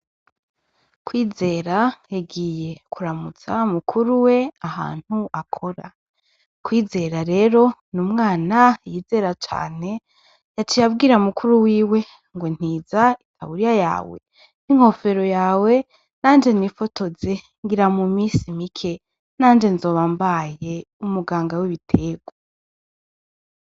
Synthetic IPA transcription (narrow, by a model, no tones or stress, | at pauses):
kwiːze̞ɾaeɡiːje̞kʰuɾamut͡samukʰuɾuwe̞aha̰ːn̥huʔakʰo̞ɾa̰ | kwiːze̞ɾaɾe̞ːɾo̞numŋaːnajiːze̞ɾat͡ʃa̰ːne̞ | jat͡ʃijabɡiːɾamukʰuɾuwiːwe̞ | ŋɡon̥iːzaitʰa̰βuɾijaja̰ːwe̞̰ | niŋ̥ho̞fe̞ɾo̞jaːwe̞ | n̥aːnd͡ʒe̞nifo̞to̞ze | ŋɡiɾamumiːsimikʰe̞ | naːnd͡ʒe̞nzo̞ːβambaje̞umuɡaːŋɡawiβitʰe̞ːɡwo